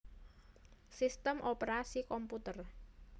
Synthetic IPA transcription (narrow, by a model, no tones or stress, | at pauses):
sist̪əmʔopeɾasikɔmput̪ər